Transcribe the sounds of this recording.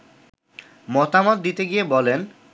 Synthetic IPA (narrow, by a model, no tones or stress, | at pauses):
mɔt̪amɔt̪̚d̪it̪eɡijebɔlen